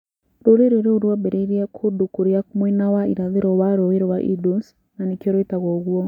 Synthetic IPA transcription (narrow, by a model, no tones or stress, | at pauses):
ɾoɾeɾeɾeoɾwɔbeɾeiɾiɛkʰodukoɾiakumwinawaiɾaðeɾɔwaɾoeɾewaʔidos | nanikɔɾoitaɣɔɣwɔ